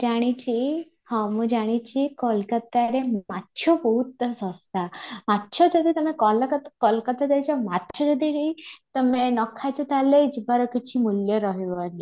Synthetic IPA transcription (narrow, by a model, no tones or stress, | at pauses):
d͡ʒaɽ̃it͡ɕi | hɔ̃mũd͡ʒaɽ̃it͡ɕikɔlkət̪aɾematːʃʰɔbɔɦut̪sɔst̪amatːʃʰɔd͡ʒɔd̪it̪ɔmekɔlk̪kɔlkət̪ad̪ejt͡ʃamat̪ːt͡ʃʰɔd͡ʒɔd̪iɽit̪əmenɔkʰːat͡ʃɔt̪aleit͡ʃbaɾɔkit͡ʃʰimuljɔɾɔɦiʋaŋi